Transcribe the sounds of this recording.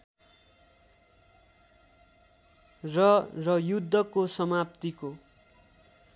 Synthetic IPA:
rʌrʌjud̪ʱːʌkosʌmapt̪iko

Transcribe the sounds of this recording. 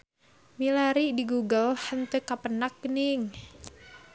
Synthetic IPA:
milaɾidiɡuɡəlhənt̪əkapənak̚ːəniŋ

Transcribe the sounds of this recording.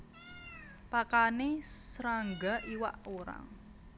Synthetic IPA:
pakanesɾaŋɡaʔiwa̰ʔoɾa̰ŋ

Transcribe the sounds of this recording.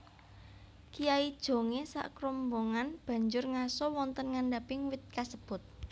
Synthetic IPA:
kijaid̥ʒ̥o̤ŋesa̰ʔkɾɔmboŋanb̥ä̤ɲd͡ʒʊrŋasɔwɔnt̪ənŋaɳɖapɪŋwɪt̪̚kasəb̥ʊ̤t̪̚

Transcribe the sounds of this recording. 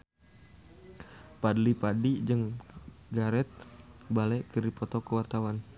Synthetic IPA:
padlipadid͡ʒɨŋɡaɾɛt̪̚balɛkərdipɔt̪ɔkəwart̪awan

